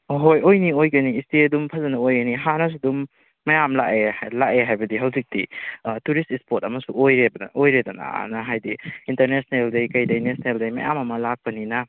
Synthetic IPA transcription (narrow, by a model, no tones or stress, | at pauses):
ɦojojniojɡɐniːsteɐdumpʰɐzɐnɐojɡɐniɦanɐs̬udumː | ɐjamla̰ʔelakeɦajbɐdiɦɐwzik̚dituɾistispotɐmɐsuojɾebɐ̰ojɾedana̰a̰nɐɦajdiinteɾnesneldɐjkɐjdɐjnesneldɐjmɐ̰ja̰mɐmɐlak̚pɐninɐ